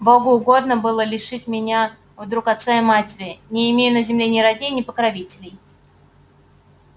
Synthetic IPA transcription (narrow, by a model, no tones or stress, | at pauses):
boɡʊːɡo̞d̪nəbɨlˠəlʲɪʂɨtʲmʲɪnʲa | vd̪ɾukɐt̪saɪmatʲɪɾʲɪnʲɪːmʲejʊnəzʲɪmlʲenʲɪɾɐdʲnʲejnʲɪpəkɾɐvʲitʲɪlʲɪj